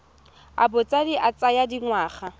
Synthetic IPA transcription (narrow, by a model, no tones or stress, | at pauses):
a̰bʊt͡sʼadiʔat͡sʼajadiŋwaːχa